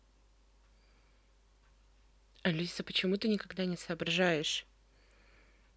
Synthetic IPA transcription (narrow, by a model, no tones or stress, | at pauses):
ɐlʲisəpət͡ɕɪmut̪ɨnʲɪkɐɡd̪anʲɪsɐːbɾɐʐajɪʂ